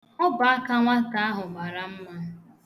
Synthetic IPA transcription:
ʊ˦ba˨a˦ka˦ŋʷa˦ka˨a˦ɦʊ˨ma˨ɾa˨m̩˦ma˦

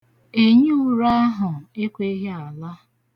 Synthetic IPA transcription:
e˨ɲ˦u˦˨ɾa˦ɦʊ˨e˦kʷe˦ɦe˦a˨la˦

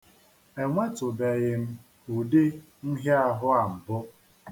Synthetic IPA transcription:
e˨ŋʷe˦tʊ˨be˨ɣɪ˨m̩˦ | u˨dɪ˦ | n̩˦ɦe˦a˦ɦʊ˦a˨m̩˨bʊ˦

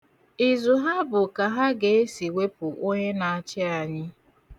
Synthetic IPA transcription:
i˨zʊ˨ɦa˦bʊ˨ka˨ɦa˦ɡe˨e˦si˨we˦pʊ˨ʔo˦ɲe˦na˨a˨t͡ʃɪ˦a˨ɲɪ˦

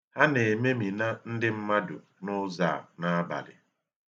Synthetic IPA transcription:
ha˦ne˨me˦mi˨na˦n̩˦dɪ˦m̩˦ma˦dʊ̰˨ | nʊ˦za̰˦˨na˦ba̰˨lɪ̰˨

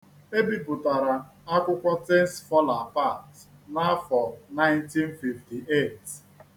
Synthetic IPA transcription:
e˦bi˦pʊ˨ta˨ɾa˨ | a˦kʷʊ˦kʷɔ˦te˦n̩˦sfɔ˦la˨pa˦˨tna˦fɔ˨na˦ɪ̃nti˦n˦fi˨fti˨ʔe˦˨t

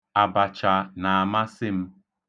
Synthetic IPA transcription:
a˨ba˨t͡ʃa˨na˨a˨ma˦sɪ˦m̩˦

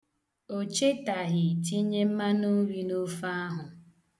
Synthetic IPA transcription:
o˨t͡ʃe˦ta˨ɦɪ˨ti˦ɲe˦m̩˦ma˦nu˦ɾi˦no˦fa˦ɦʊ˨

